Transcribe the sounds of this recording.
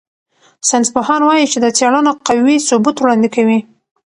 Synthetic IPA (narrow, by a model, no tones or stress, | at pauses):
sansbaɦɑnwɑjit͡ʃed̪ət͡sjɑɽanoqawwisʊbut̪wɽɑnd̪ɪkawi